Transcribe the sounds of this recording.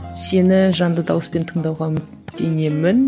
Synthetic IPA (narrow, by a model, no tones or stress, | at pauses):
se̞nɪʒɑnd̪əd̪ɑwəspe̞nt̪ʰəɴd̪ɑwʁɑmɪt | d̪e̞ne̞mɪn